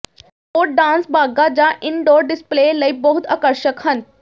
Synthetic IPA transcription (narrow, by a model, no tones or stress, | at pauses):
oːɖãːnsbʱaːɡad͡ʑaʔɪnɖoːɾɖɪspleːləibɐɦʊt̪aːkəɾʃəkɦən